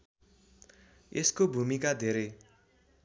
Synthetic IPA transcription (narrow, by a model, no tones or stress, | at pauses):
eskobʱumikad̪ʱeɾʌj